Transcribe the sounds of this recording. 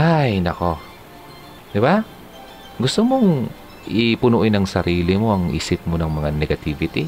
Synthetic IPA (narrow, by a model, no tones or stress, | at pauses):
ʔajnɐko̞ | d̪ɪba | ɡʊst̪omoŋ | ʔɪpʊnuʔɪnɐŋsɐɾiːlɪmo̞ʔɐŋʔḭːsɪp̚monɐŋmɐŋanɛɡɐt̪ivɪt̪i